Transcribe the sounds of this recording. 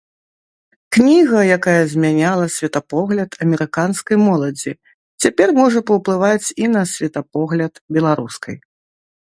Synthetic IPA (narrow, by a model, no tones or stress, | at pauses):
knʲiɣɐjakajɐzʲmʲanʲalˠɐsʲvʲɛt̪ɐpɔɣlʲɐt̪ʰɐmʲɛɾɨkanskɐjmɔlˠɐd͡zʲi | t͡sʲapʲɛrmɔʐɐpɐwplˠɨvat͡sʲinɐsʲvʲɛt̪ɐp̚ɔɣlʲɐt̪bʲɛlˠaɾuskɐ̰j